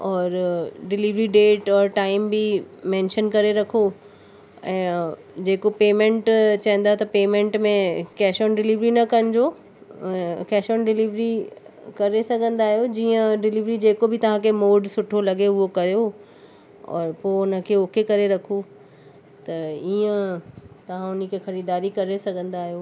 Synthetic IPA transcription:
ɔːɾɖɪliʋɾiɖeːʈɔːɾʈaːɪmbimɛ̃ːnʃənkɐɾeɾɐkʰo | ɛ̃ː | d͡ʑeːkopeːmẽɳʈt͡ɕɐɦə̃n̆d̪at̪ɐpeːmẽɳʈmẽkɛːʃoːnɖɪliʋɾinɐkɐ̃nd͡ʑo | kɛːʃoːnɖɪliʋɾikɐɾesɐɡʱə̃nd̪aːɦijod͡ʑiːə̃ɖɪliʋɾid͡ʑeːkobʱɪt̪ɐʋ̤ãkʰemoːɖsʊʈʰolɐɡeʊɦokɐɾjo | ɔ̰ːɾpoːʊnə̆kʰeokekɐɾeɾɐkʰo | t̪ɐiːə̃t̪ɐʋ̤ãʊnəkʰexɐɾiːd̪aːɾikɐɾesɐɡʱə̃nd̪aːɦijoː

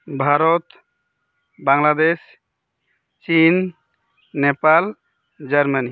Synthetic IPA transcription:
bʱaɾɔt̪ | baŋlad̪es | t͡ʃinː | epal | d͡ʒəɾmani

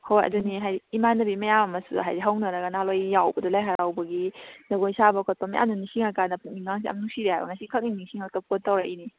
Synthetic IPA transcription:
hojɐ̰duniɦajiːmanɐbimɐjamamɐsṵɦajziɦawnɐɾɐɡanalojjawbɐdɐlajɦaɾawbɐɡizɐɡojsabɐkʰɔt̚pamajʔa̰mnunisiŋakanɐpʰuŋ̚niŋaŋs̬iɐ̰mnuŋsiɾehajbɐ̰ŋasikʰak̚niŋniŋsiŋaktopʰotːawɾaʔini

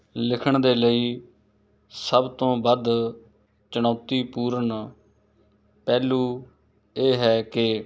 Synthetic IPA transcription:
lɪkʰəɳd̪eːləiː | səbt̪õːbəd̪ | t͡ʃəñaːt̪iːpuːɾəɳ | pɛːluː | eːɦɛːkɪ

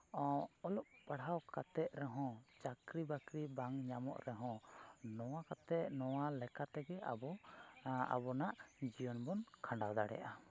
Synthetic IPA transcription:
ɔlɔʔ̚paɽawkat̪ɛt̪̚ˀɾɛɦɔ̃t͡ʃakɾibakɾibaŋɲamɔ̰ʔɾɛɦɔ̃nɔwakat̪ɛʔ̚nɔwalɛkat̪ɛɡɛa̰bɔ | a̰bɔnaʔd͡ʒijɔnbɔnkʰãɳɖad̪aɽɛ̰ʔa

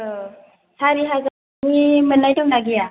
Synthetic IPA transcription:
saɾiɦaza | mimənːajtɯŋnaɡija

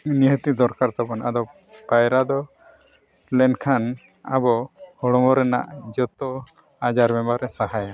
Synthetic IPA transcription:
niɦət̪id̪ɔɾkaɾt̪ɔpanad̪ɔ | pajɾad̪ɔ | lɛnkʰan | a̰bɔhɔɽɔmɔɾɛna̰ʔd͡ʒɔt̪ɔ | ad͡ʒaɾbɛmbaɾɛsaɦaja

